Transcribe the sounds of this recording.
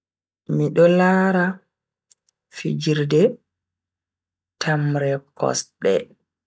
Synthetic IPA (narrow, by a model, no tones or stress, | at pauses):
miɗɔlaːɾa | fid͡ʒiɾdɛ | tʰamɾɛkʰɔ̰sɗɛ̰